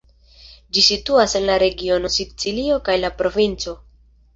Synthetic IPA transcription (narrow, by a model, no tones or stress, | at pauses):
d͡ʒisituase̞nlaɾe̞ɡio̞no̞sibt͡silio̞kajlapɾo̞vint͡so̞